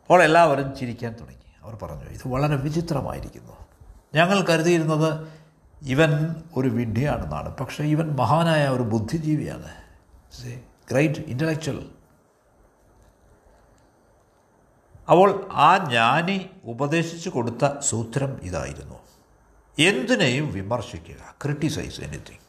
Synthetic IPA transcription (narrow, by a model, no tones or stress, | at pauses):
ɐpːo̞ːɭe̞lːaːʋɐɾumt͡ɕiɾikʲːaːnt̪uɽɐ̰ŋːiɐʋɐrpɐrɐ̰ɲːṵḭðɨʋɐɭɐɾe̞ʋit͡ɕit̪rɐma̰ːjḭɾḭkʲːunːuɲɐŋːɐɭkɐɾuðijiɾunːɐðɨ | iʋɐno̞ɾuʋiɳɖʱija̰ːɳenːa̰ːɳɨ̰pɐkʂe̞iʋɐnmɐɦaːnaːjɐo̞ɾubud̪ʱːid͡ʑiːʋija̰ːɳɨ̰ | e | ɡ̥rejɖḭnteɭlek̚t͡ɕuɐ̰l | ɐpːo̞ːɭaːɲaːneubɐðe̞ːɕit͡ɕːuko̞ɽut̪ːɐsuːt̪ɾɐmḭða̰ːjḭɾunːu | e̞nd̪ine̞jumʋimɐrɕikʲːuɣɐ̰kriʈːisɐ̰jsḛnṵt̪ːḭ